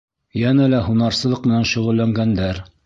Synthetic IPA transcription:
jænælæhunɑɾsɤ̆lˠɤqmɘ̆nænʃɵ̆ʁɵ̆lːæŋɡænd̪æɾ

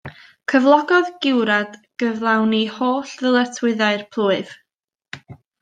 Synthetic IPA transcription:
kʰəvlˠɔɡɔðɡɪwɾad̥ɡ̥əvlˠawnihoːɬðəlˠətʰwɨɨðaɨrpʰlˠuːɨv̥

